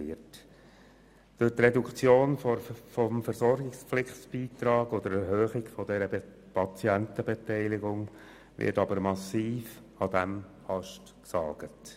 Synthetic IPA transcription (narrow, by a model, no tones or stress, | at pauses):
ɪt | d̥ʊt̪rɛdukt͡sjoːnfɔfɔmfəɾsɔɾɡɪkspflɪχsb̥iːt̪ɾɑːɡɔd̪əɾɛɾhøːχɪɡfɔdɛɾə | pɑt͡siæntəbetɛɪlɪɡʊŋ | ʋɪ̰ɾtɑbəɾmɑsiːf | ɑd̥̪æm | hɑʃt | ksɑːɡ̥ət